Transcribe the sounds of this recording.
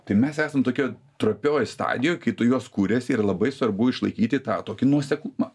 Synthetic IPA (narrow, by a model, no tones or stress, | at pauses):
t̪ɐɪmʲɛsæːsɐmt̪oːkʲoː | t̪ɾoːpʲoːjɪst̪ɑ̰ːd̪ʲɪjoːjkɐɪt̪ʊjuɔskuːɾʲeːsʲiːɾɐlˠɐbɐɪsʋɐrbʊɪʃlˠɐɪkʲiːt̪ʲɪt̪ɑːt̪oːkʲɪnuɔsʲɛkˠumɑ